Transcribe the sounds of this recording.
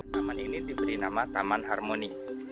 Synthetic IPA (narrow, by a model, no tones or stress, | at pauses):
t̪amaninidibəɾinamat̪amanɦarmoni